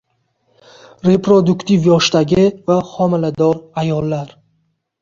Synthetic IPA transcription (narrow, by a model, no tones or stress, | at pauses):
ɾe̞pɾod̪ukt̪ʰivjɒʃt̪aɡʲivaχɔmilad̪ɔɾajɔlːaɾ